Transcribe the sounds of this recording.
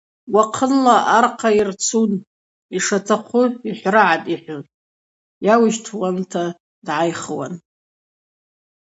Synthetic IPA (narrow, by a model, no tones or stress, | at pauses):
waqʰənlaʔarqʰairt͡sʰun | iʂatʰaχʷʰʊiħʷraʕatʼiħʷʊ | jawɪʃtʰwantʰa | dʕajχwa̰n